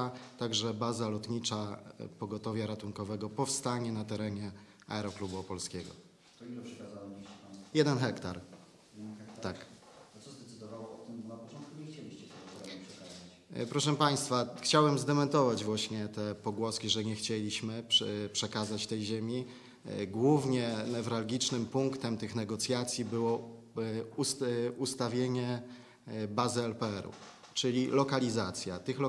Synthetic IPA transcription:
t̪aɡʐɛbazalɔt̪ɲit͡ʂapɔɡɔt̪ɔvʲjɛɾat̪uŋkɔvɛɡɔpɔfst̪aɲɛnat̪ɛɾɛɲɛ | a̰ɛɾɔklubupɔlskʲɛɡɔ̰ | t̪ilɛpʂɛkazawɔbʲiɕipajɛd̪ɛnxɛkt̪aɾ | jɛnɛk̪t̪akt̪sɔzd̪ɛt̪ɨd̪ɔvawɔɔt̪ɪmnapɔt͡ʃɔ̃nt̪̚kuɲɛxt͡ɕelʲiɕt͡ɕɛt̪ɛɡɔzipʂɛkaza | pɾɔʂɛpaj̃st̪faxt͡ɕawɛmzd̪ɛmɛnt̪ɔvad͡ʑvwaɕɲɛt̪ɛpɔɡwɔskʲiʐɛɲɛxt͡ɕelʲiɕmɘppʂɛkazat͡ɕt̪ɛjʑemʲi | ɡwuvɲɛnɛvɾalɡʲit͡ʂnɘmpuŋkt̪ɛmt̪ɘxnɛɡɔt̪sʲjat̪sʲjibɘwɔ | usust̪avʲjeɲɛ | bazɘɛlpɛɛɾṵ | t͡ʂɘlʲilɔkalʲizat̪sʲja̰t̪ɘxlɔ

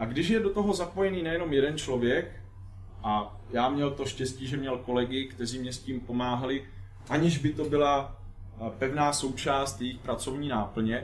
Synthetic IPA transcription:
ʔaɡdɪʃ̬jɛdot̪o̞ɦo̞zapo̞jɛniːnɛjɛno̞mjɛdɛnt͡ʃlo̞vjɛk | ʔa | jaːmɲɛlt̪o̞ʃcɛsciːʒɛmɲɛlko̞lɛɡɪkt̪ɛriːmɲɛsciːmpo̞maːɦalɪ | ʔaɲɪʒbɪt̪o̞bɪla | pɛvnaːso̞wt͡ʃaːst̪jɛjɪxpɾat͡so̞vɲiːnaːpl̩ɲɛ

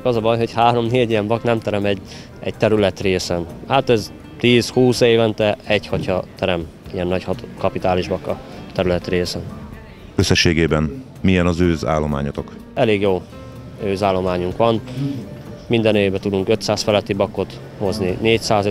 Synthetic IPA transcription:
kɒzɒbɒjɦo̞chaːɾo̞mneːɟijɛɱbɒknɛmt̪ɛɾɛmɛɟː | ɛ̰ɟ̚t̪ɛɾylɛt̪reːsɛnhaːt̪ɛz | t̪iːshuːseːvɛnt̪ɛɛɟhɒcɒt̪ɛɾɛm | ijɛnːɒchɒt̪kɒpit̪aːliʒbɒkːɒt̪ɛɾylɛt̪reːsɛn | øsːɛʃːeːɡeːbɛn | mijɛnɒzøːza̰ːlːo̞ma̰ːɲɒt̪ok | ɛleːɡjoː | øːzaːlːo̞maːɲuŋkʋɒn | mind̪ɛneːvbɛt̪ud̪uŋkø̞t̪saːsfɛlɛt̪ːibɒkːo̞t̪ | ho̞znineːcsaːz

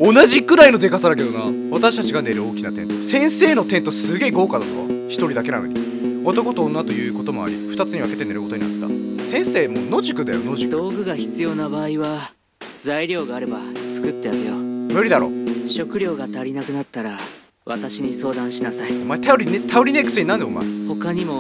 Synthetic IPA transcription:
o̞naʑikɯ̟ɾaino̞d̪e̞kasad̪ak̬e̞d̪ona̰βat̪aɕi̥t̪at͡ɕiɡane̞ɾɯo̞ːkʲinat̪ẽ̞nt̪osẽ̞ɰ̃se̞ːno̞t̪ent̪osɨɡe̞ːɡo̞ːkad̪at̪oβa̰çi̥t̪o̞ɾʲid̪ake̞ɾa̰mḛt̪ʲi | ot̪o̞ko̞t̪oːnːat̪o̞jɯ̟ːko̞t̪o̞mo̞a̰ɾʲḭɸɯ̟t̪at͡sɨɲ̟iβake̞t̪e̞neɾɯ̟ko̞t̪oɲinat̪ːa̰sẽ̞ɰ̃se̞ːmoːno̞ʑikɯ̟d̪a̰jo̰noʑikd̪o̞ːɡɯ̟ɡaçi̥t͡sɨjo̞nabaːiβa | d͡zaiɾʲo̞ːɡaːɾe̞bat͡sɨ̥kɯ̟t̪ːejaɾɯjomɯɾʲid̪aɾo̞̰ːɕo̞kɯ̟ɾʲo̞ːɡat̪aɾʲinakɯ̟nat̪ːaɾa | βat̪aɕiɲ̟iso̞ːd̪ãɰ̃ɕinasaiomaet̪aoɾʲinet̪aoɾʲine̞kɯ̟sɨɲinãnd̪eo̰ma̰ḛho̞kaɲ̟imo̞

